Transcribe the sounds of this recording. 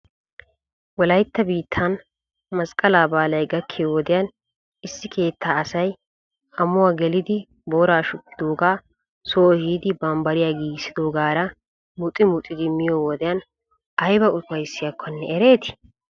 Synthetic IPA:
wɔlɐjt̪ːɐbiːt̪ʰːɐn | mɐskʼɐlaːbaːlɐjɡɐkʰːɪjwɔd̪ɪjan | ɪsːɪkʰe̞ːt̪ʰːaːɐsɐj | ɐmʊwaːɡɛlɪd̪ɪ | bo̞ːɾaːʃʊt̪ːɪd̪oːɡaː | soːhiːd̪ɪbɐmbɐɾɪjaɡiːsɪd̪oːɡaːɾɐ | mʊt̪ʼɪmʊt̪ʼɪd̪ɪmːɪjoːwɔd̪ɪjɐn | ɐjbɐʊt̪ʊwɐjsːɪjɐkːɔnːɛʔɛɾe̞ːt̪ɪ̥

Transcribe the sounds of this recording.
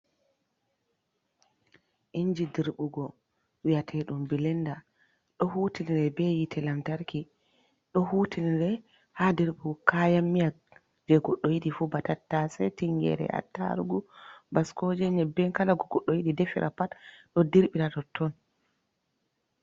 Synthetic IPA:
ʔiɲd͡ʒidiɾɓuɡɔ | wijatʰɛɗumbilɛnda | ɗɔhutiniɾɛbɛjitʰɛlamtaɾki | ɗɔhuːtiniɾɛ | hadiɾɓuɡɔkajamːija | d͡ʒɛɡɔɗːɔjiɗifubatatːasɛtiŋɡɛ̰ɾɛ̰a̰tːa̰ɾuɡubaskɔd͡ʒɛɲɛbɛnkalaɡɔɡɔɗːɔjiɗidefḭɾʔa̰patɗɔdiɾɓiɾatɔtʰːɔn

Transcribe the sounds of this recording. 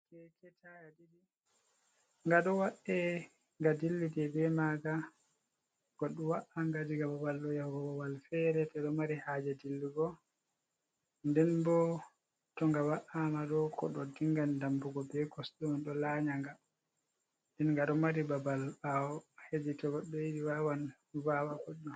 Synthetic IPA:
kɛkʰɛtajadidi | ŋɡaɗɔwaʔɛ | ŋɡadilːidɛbɛmaɡa | ɡ̥ɔɗːɔwaʔaŋɡadiɡabawalːɔjahuɡɔwawalfɛɾɛtɛɗɔmaɾihaːd͡ʒɛdilːiɡɔ | ndɛnbɔ | tɔŋɡawaʔamaɗɔkɔ̰ɗɔdiŋɡandambuɡɔbɛkɔsɗɔnɗɔlaɲaŋɡa | ɛnŋɡaɗɔmaɾibabalawɔhed͡ʒitɔɡɔɗɔjidiwawan | vawakɔɗɔ

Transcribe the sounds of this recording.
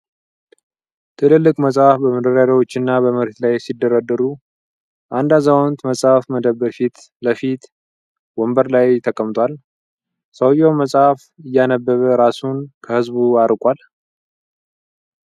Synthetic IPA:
t̪ʰɨlɨlːɨkʼməsʼafbəməd̪əɾaɾawo̞t͡ʃːɪnːabəməɾet̪lajsid̪ːəɾad̪əɾu | ʔand̪azawont̪məsʼafməd̪əbːəfit̪ | ləfit̪ | wɔmbəɾlajt̪ʰəkʼəmt̪ʰwal | səwjowməsʼaf | ɨjːanəbːəβəɾasunkʰəhɨzbuaɾkʼʷal

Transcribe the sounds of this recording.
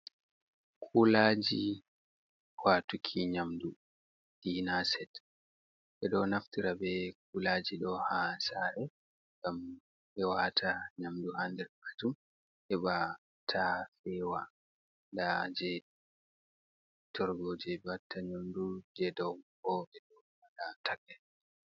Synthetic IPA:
kʰʼulaːd͡ʒi | waːtukʰiɲamdu | ʔinasɛt | ʔɛɗɔnaftiɾabɛk̚ulaːd͡ʒiɗɔhasaɾɛ | ɡ̥am | ʔɛwatʰaɲamduhandɛɾkatum | ʔɛɓa | tʰafɛwa | dad͡ʒɛ | tʰɔɾɡɔːd͡ʒɛbatʰːaɲamdud͡ʒɛdɔkɔɓɛɗɔwaɗatʰaɡɛ

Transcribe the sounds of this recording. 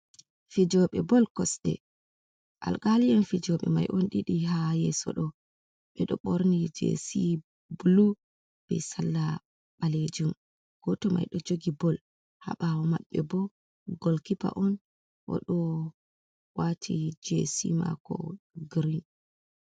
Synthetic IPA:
fid͡ʒɔɓɛbɔlkɔsɗɛ̰ | ʔa̰lɡaliɛnfid͡ʒɔɓɛ̰ma̰jʔɔnɗiɗiɦajɛsɔ̰ɗɔ | ɓɛɗɔɓoɾnid͡ʒḛsi | bulu | b̥ɛ̰salːa | ɓaled͡ʒum | ɡ̥ɔtɔma̰jɗɔd͡ʒoɡibɔl | ha̰ɓawɔmaɓːɛbɔ | ɡolkipa̰ʔɔn | ʔɔ̰ɗɔ | watʰid͡ʒesima̰kɔ̰ɡɾin

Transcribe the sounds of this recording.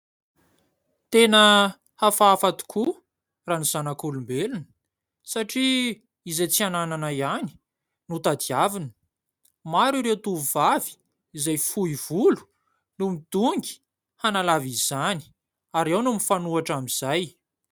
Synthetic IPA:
t̪enə | hafaafat̪u̥kʰu | ranuz̥anakulumbelunə̥ | saʈ͡ʂi | izejt͡sianananajani̥ | nut̪ad̪iavinə̥ | maɾiɾewt̪uvuv̥avi̥ | izajfuiv̥ulu̥ | numid̪̥uŋɡi̥ | hanalavizani̥ | aɾawnumifanuaʈ͡ʂamiz̥aj

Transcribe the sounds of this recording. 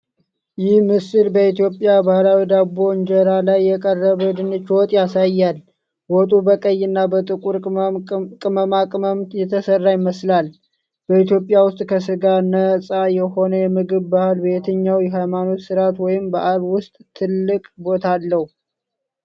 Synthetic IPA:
jɪhmɨsɨlbəit̪jo̞pʼɪjabahlawid̪abo̞nd͡ʒɛɾalajːɛkʼərːəβəd̪ɨnɨt͡ʃːwɔt̪ʼjasajːal | wɔt̪ʼubəkʼəjːɨnːabət̪ʼɨkʼuɾ | kʼɨməmakʼməmt̪jɛt̪ʰːəsərːajɪməslal | b̥əit̪jo̞pʼɪjawʊst̪ʼkʰəsɨɡanəsʼajɛho̞nəjɛmɨɡɨβːahɨlbe̞t̪ʰəɲːawjɛɦajmano̞t̪sɨɾat̪wɔjɪmbəʔaβwʊst̪ʼt̪ʰːɨlːɨkʼbo̞t̪ʰalːəhu

